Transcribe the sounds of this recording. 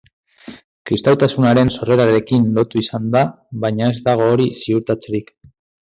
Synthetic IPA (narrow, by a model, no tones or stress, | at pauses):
kɾist̪awt̪asunaɾe̞nso̞re̞ɾaɾe̞kinlo̞t̪uisand̪a | βajɲae̞zd̪aɣ̞o̞ːɾisiuɾt̪at͡se̞ɾik